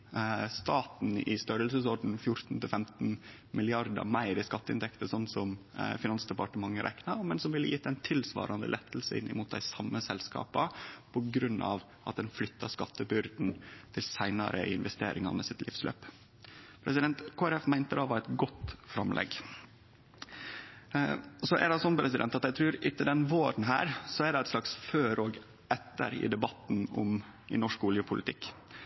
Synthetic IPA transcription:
st̪ɑːt̪n̩ɪst̪œɾəlsəsɔɖn̩fjʊɾt̪n̩t̪ʰɪlfɛmt̪n̩ | mɪlɪɑɾd̪ə̰mæɪɾɪskɑt̪ːəɪnt̪ʰɛkt̪əsɔnːsɔmfɪnɑnsd̪ɛpɑʈəmɑŋːəɾʔɛ̰knɑɾmɛnsɔmʋɪlːəjit̪ːɛɪnt̪ʰɪlsʋɑ̰ːɾɑnd̪ə̰lʔɛt̪ːl̩səɪ̰nːɪmuːt̪̚d̪æɪsɑmːəsɛlskɑ̰ːpəpʰɔɡɾʉnːɑ̰ʋ | ʔɑt̪̚d̪ɛnflʏt̪ʰːɑʂkɑt̪ːəbʏɾd̪n̩t̪ʰɪlsæɪnɑ̰ɾə̰ɪɪnʋɛst̪ḛːɾɪŋɑnmɛsɪt̪lʔɪfslø̰ːp | pʰɾɛsɪd̪ɛnt̪kʰoːæɾɛfmæɪnt̪əd̪ɑʋɑɾɛt̪ɡɔt̪fɾɑmlʔɛ̰ɡ | sɔʔɛ̰ɖɛsɔnpʰɾɛsɪd̪ɛnt̪ɑt̪jæɪt̪ʰɾʉːɾɪt̪ːəd̪ɛnʋoːɾən̩ɦæːɾsɔæɖ̪ɛæɪt̪slɑksføːɾoːɡ | ʔɛt̪ːə̰ɾɪ̰d̪ɛbɑt̪nʊ̰m | ɪ̰nɔʂkʊljəpʰʊlɪt̪ʰɪkː

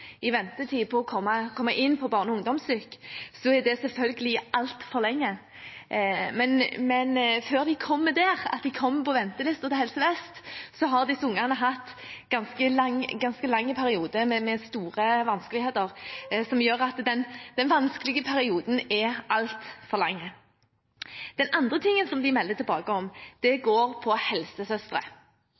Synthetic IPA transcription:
ɪʋɛnt̪ət̪ʰiːpʰɔːkʰɔmːɑkʰɔmːɑʔɪnːpʰɔbɑːʁnəɔʊŋd̪ɔmsyːksɔɛd̪ɛsɛlfœlɡəlɪɑlt̪fɔʁlɛŋːə | mɛnmɛnføːʁd̪ɪkʰɔmːəd̪æːʁɑ̰t̪d̪ɪkʰɔmːpʰɔʋɛnt̪əlɪst̪ət̪ɛhɛlsəʋɛst̪sɔɦɑʁd̪ɪsʊŋːɑʁnəɦɑt̪ː | ɡ̥ɑnskəlɑŋɡɑnskəlɑŋːəpʰæɾɪuːd̪əmɛmɛst̪uːʁəʋɑnskəlɪheːt̪əʁsɔmjøːʁɑt̪d̪ɛnd̪ɛnʋɑnskəlɪɡəpʰæɾɪuːd̪n̩ɛʔɑlt̪fɔʁlɑŋːə | d̪̥ɛnɑnd̪ʁət̪ʰɪŋːənsɔmd̪ɪmɛld̪ət̪ʰɪlbɑːɡəɔmd̪̥ɛɡoːɾpʰɔhɛlsəsœst̪ɾə̰

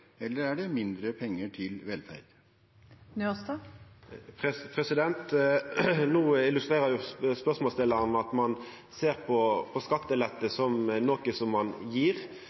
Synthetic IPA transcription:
ɛlːəɾæɖɛmɪnd̪ɾəpʰɛŋːəʈʰɪlʋɛlfæ̰ɪd̪ | nyst̪ɑ | pʰɛpʰʁɛsɪd̪ɛnt̪ | nuːɪlʉst̪ʁeːɾəjʊspœʁsmɔːst̪ɪlːɑʁnəɑt̪mɑn | seːʁpʰɔpʰɔskɑt̪ːəlɛt̪ːəsɔmnoːkəsɔmːɑnjiːʁ

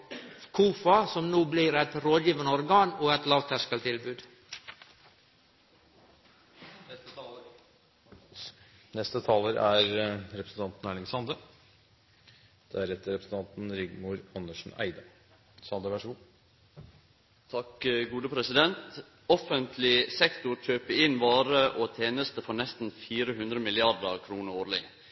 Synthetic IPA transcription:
kʰuːfɑsɔmnuːbliːɾæt̪ɾoːd̪jiːʋənəɔɾɡɑːnoːɛt̪lɑːʋt̪ʰæʂkəlt̪ʰɪlbʉːd̪ | nɛst̪ə | nɛst̪ət̪ʰɑːləɾʔæɾɾɛpɾsn̩t̪ɑnt̪n̩æːɳɪŋsɑnd̪ə | d̪̥ææɾɛt̪ːəɾɛpɾəsn̩t̪ɑnt̪n̩ɾɪɡmʊɾɑnːəʂn̩æ̰ɪd̪ɑ | sɑnd̪əʋæʂɡuː | t̪ʰɑkɡuːd̪əpʰɾɛsɪd̪ɛnt̪ | ɔfənt̪ʰlɪsɛkt̪ʊɾc͡çøːpəɪnʋɑːɾəʔoːt̪ʰeːnəst̪əfɔɾnɛst̪n̩fiːɾəɦʉnd̪ɾəmɪlɪɑɾd̪əɾkʰɾuːnəɾoːɾlɪ̰

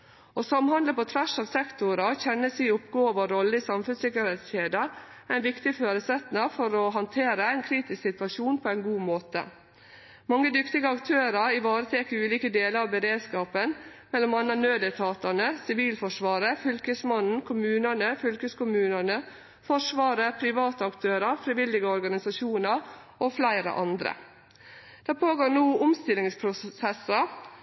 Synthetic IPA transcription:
ɔsɑmhɑnd̪ləpɔt̪ʰʋæʂɑːʋsɛkt̪ʊɾɑçɛnːəsiːʊpɡoːʋɑɾɔlːəɪsɑmfʉnsɪkːəɾheːt̪sçeːd̪əɾæɪnʋɪkt̪ɪføːɾəsɛt̪nɑfɔɾɔɦɑnt̪ʰeːɾəæɪnkʰɾiːt̪ɪsksɪt̪ʋɑʂuːnpʰɔæɪnɡuːmoːt̪ə̰ | mɑŋːəd̪ʏkt̪ɪɡəɑkt̪ʰøːɾɑɾɪʋɑːɾət̪ʰeːkəɾʉːliːkəd̪eːləɾɑʋbəɾeːd̪skɑːpənmɛlːɔmɑnːɑnøːd̪ət̪ʰɑːt̪əɳəsɪʋiːlfɔʂʋɑːɾəfʏlkəsmɑnn̩kʰʊmʉːnəɳəfʏlkəskʊmʉːnəɳə | fɔʂʋɑːɾəpʰɾɪʋɑːt̪əɑkt̪ʰøːɾɑɾfɾɪʋɪlːɪɡəɔɾɡɑnɪsɑʃuːnɑɾ | ʔoflæɪɾə̰ʔɑnd̪ɾə̰ | d̪̥æːpʰoːɡoːɳuːʊmst̪ɪlːɪŋspʰɾʊsɛsɑɾ

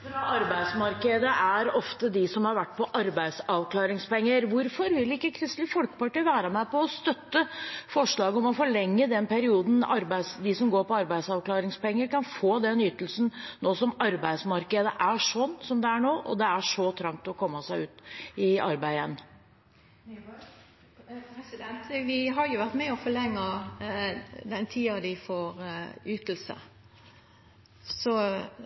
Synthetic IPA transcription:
ɾɑɑɾbæɪd̪smɑɾkəd̪əʔæɾɔft̪əd̪ɪsɔmhɑɾʋæʈːpʰɔʔɑɾbæɪd̪sɑʋkʰlɑːɾɪŋspɛŋːəɾʋʊɾfɔɾʋɪlɪkːəkʰɾɪst̪lɪfɔlkə̥pɑʈiːʋæːɾəmæɪpɔːst̪œt̪ːəfɔʂɭɑːɡəɔmɔfɔɭɛŋːəd̪ɛnpʰæɾɪuːd̪n̩ɑɾbæɪsd̪ɪsɔmɡoːɾpɔɑɾbæɪsɑʋklɑːɾɪŋspɛŋːəɾkɑnfoːd̪ɛnjʏt̪ːəlsn̩noːsɔmɑɾbæɪd̪smɑɾkəd̪əʔæʂɔnːsɔmd̪ɛæɳoːʔɔ̰d̪ɛæʂɔt̪ʰɾɑŋt̪ɔkʰɔmːəsæɪʉːt̪ɪɑɾbæɪɛnː | nt̪ʋɪɦɑɾjʊʋæɾt̪mɛɔfɔɭɛŋːə | d̪ɛnt̪ʰiːɑd̪ɪfoːɾyt̪l̩sə̰ | sɔ

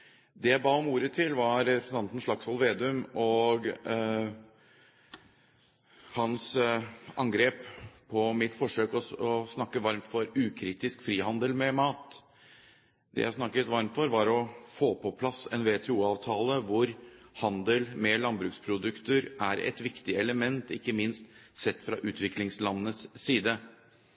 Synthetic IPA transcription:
d̪ɛjæɪbɑːɔmuːɾət̪ʰɪlʋɑɾɾɛpɾəsn̩ɑnt̪n̩ʂɭɑksɔlʋeːd̪ʉmɔɡ | hɑns | ɑŋɡɾeːppʰɔmɪt̪fɔʂøːkɔɔsnɑkːəʋɑɾmt̪fɔɾʉːkʰɾiːt̪ɪskfɾiːhɑnd̪əlmɛmɑːt̪ | d̪̥ɛ̰jæ̰snɑkːət̪ʋɑɾmt̪fɔɾʋɑɾɔfoːpʰɔpʰlɑsɛnʋeːt̪ʰɛuːɑːʋt̪ʰɑːləʋʊɾhɑnd̪əlmɛlɑnbɾʉːkspʰɾʊd̪ʉkt̪əɾæɾɛ̰t̪ʋɪkt̪ɪɛləmɛnt̪ɪkːəmɪnst̪sɛt̪ːfɾɑʔʉːt̪ʋɪklɪŋslɑnːət̪sːiːd̪ə

